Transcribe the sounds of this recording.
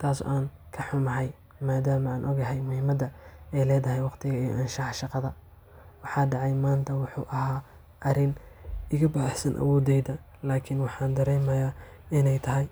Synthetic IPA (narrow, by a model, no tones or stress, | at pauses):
t̪ʰaːsʔaːn | kʰɐħʊmɐɦɛj | maːd̪aːmɐaːnʔɔɡɐɦɛjmʊhɪmɐd̪ɐɛjlɛːðɐɦɛjwɑqt̪ʰɪɣɐijɔ̰ʔɐnʃɑħʃɑqɑðɐ | wɑħɑːɖɑʕɑjmaːnt̪ʰɐwʊħṵːʔɐɦaː | ʔɐɾɪnɪɣɐbaːħsɐnʔɐ̰wɔːd̪ɛjðɐ | laːkʰɪnwɑħɑːnd̪ɐɾɛjmɐjaː | ɪnɛjt̪ʰɐɦɛj